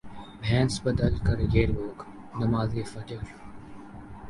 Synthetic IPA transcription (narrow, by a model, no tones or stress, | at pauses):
bʱɛ̃ːnsbəd̪əlkəɾjeːɾboːk | nɐmaːzeːfɐʈəɾ